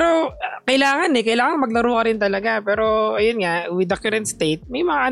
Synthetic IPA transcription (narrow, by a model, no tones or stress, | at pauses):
ɾokɐjlaːŋɐnɛkɐjlaːŋɐŋmɐɡ̚lɐɾuːkɐɾɪnt̪ɐlɐɡapɛːɾo̞ʔɐjonŋawɪd̪ɐkɛɾɛnt̪st̪ejt̪̚mɐjmɐŋaʔɐ